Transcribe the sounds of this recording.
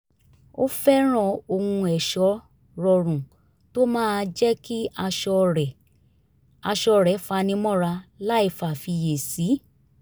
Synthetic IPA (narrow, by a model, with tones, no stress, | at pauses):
o˦fɛ˦ɾ̃ã˦˨o˧hũ˧ɛ˨ʃɔ˨˦ | ɾɔ˧ɾ̃ũ˨ | to˦mãː˦˧d͡ʒɛ˦ki˦a˧ʃɔ˧ɛ˨ | a˧ʃɔ˧ɾɛ˨˦fa˧nĩ˧˦mɔ̃˦˨ɾa˧la˦i˦˨fa˨fi˧je˨si˨˦